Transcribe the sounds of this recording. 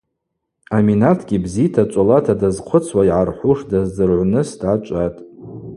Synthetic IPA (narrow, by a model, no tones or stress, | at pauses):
aminatʰɡʲibzitʰat͡ʃʷʼolatʰadazqʷʰʊt͡sʰwaiʕarħʷuʂdazdɨrʕʷnɨsdʕat͡ʃʷʼatʼ